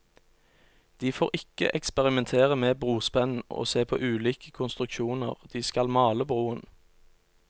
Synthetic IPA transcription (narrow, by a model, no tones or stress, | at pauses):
d̪̥iːfoːʁɪkə̰ʔɛkspɛʁɪmɛnt̪ʰeːʁəmeːbʁuːspɛnn̩o̰ːseːpʰo̰ːʔʉːliːkə̥kʰʊnst̪ʁʉkʃuːnə̰ʁd̪̥iːskɑlmɑːləbʁuːən